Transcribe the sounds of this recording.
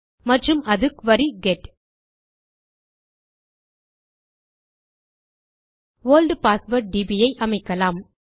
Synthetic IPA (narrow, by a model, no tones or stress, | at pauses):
mɐʈrɯmʔɐðɯkʋɐɾiɡɛʈ | ʋoːlɖpaːsʋɐɾʈ̚ɖibijɐɪʔɐmɐɪkːɐlaːm